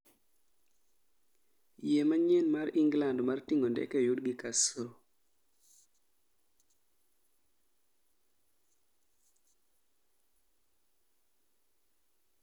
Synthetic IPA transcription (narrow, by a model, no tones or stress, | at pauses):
jemaɲɛnmaɾiŋɡlandmartiŋondɛ̰kɛjudɡikaso